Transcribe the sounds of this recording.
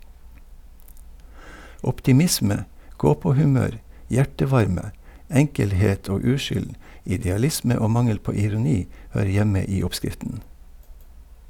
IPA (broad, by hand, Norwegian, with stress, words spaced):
ɔptɪˈmɪsmə ˈɡoːpoːhʉˌmøːɾ ˈjæʈəˌʋɑɾmə ˈɛŋkəlˌheːt ˈoː ˈʉːʃʏl ɪdɛɑˈlɪsmə ˈoː ˈmɑŋəl ˈpoː ɪɾʊˈniː ˈhøːɾə ˈjɛmə ˈiː ˈɔpˌskɾɪftən